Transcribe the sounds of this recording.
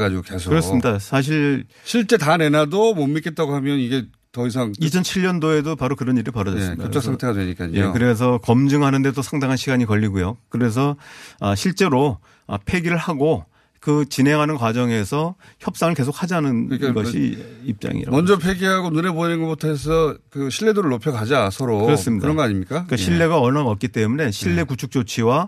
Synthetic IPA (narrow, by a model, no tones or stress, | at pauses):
ɡad͡ʑiɡokesʰkɯɾʌs͈ɯmɲidasʰaɕ̬ʰiɭ | ɕʰiɭt͡ɕ͈e̞tanenadomomːik͈et̚t͈aɡoɦamjʌniɡe̞ | tʌis̬ʰaŋit͡ɕʰʌnt͡ɕʰiʎːʌndoe̞dopaɾokɯɾʌniɾiɭpʌɾʌʌs͈mjʌt͡ɕʰaksʰaŋtʰeɡadweɲik͈a̰jeokɯɾe̞s̬ʰʌkʌmd͡ʑɯŋɦanɯnde̞t͈osʰaŋdaŋɦanɕʰiɡaɲikʌʎːiɡujokɯɾe̞s̬ʰʌʌɕʰiɭt͡ɕ͈e̞ɾo | ʌ̰pʰe̞ɡiɾɯɭhaɡo | kɯt͡ɕine̞ŋɦanɯnkwad͡ʑʌŋe̞sʰʌçjʌp̚s͈aŋɯɭke̞s̬ʰok̚had͡ʑanɯnɡʌɕḭip̚t͡ɕ͈a̰ŋḭɾa̰mʌnd͡ʑʌpʰeɡiɦaɡonuɾeboɲinɡʌbutʰʌes̬ʰʌkɯɕʰiɭːe̞doɾɯɭːopʰjʌkad͡ʑiasʰʌɾokɯɾʌs͈ɯmɲidaɯɾʌnɡʌaɲimɲik͈ak͈aɕʰiɭːe̞ɡaʌnaʌt̚k͈it͈e̞mune̞ɕʰiɭːe̞kut͡ɕʰuk̚t͡ɕ͈ot͡ɕʰiwa